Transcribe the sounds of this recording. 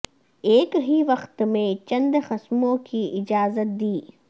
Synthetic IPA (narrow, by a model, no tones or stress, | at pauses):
eːkɦiʋɐqt̪mẽt͡ʃɐ̃nd̪xɐsmõkiʔɪd͡ʒaːzət̪̚d̪iː